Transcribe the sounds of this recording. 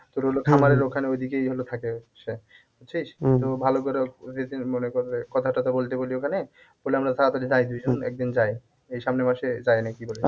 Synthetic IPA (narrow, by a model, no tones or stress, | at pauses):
t̪oɾɦolokʰamaɾeɾokʰaneojd̪ʱikejɦolot̪ʰakeʃe | otːt͡ɕʰiʃt̪obʱalokoɾeed̪inmonekoɾkɔt̪ʰaʈat̪obolt̪eboliokʰane | b̥oleamɾat̪ʰat̪olid̪ajd̪ujd͡ʑonɛ̰k̚d̪ind͡ʑae | ejʃamnemaʃed͡ʑajnakibole